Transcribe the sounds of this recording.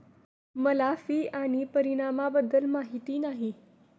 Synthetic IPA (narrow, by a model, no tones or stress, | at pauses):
məlafiːʔaɽ̃ipəɾiɽ̃amabəd̪ːəlmaɦit̪iːnaɦi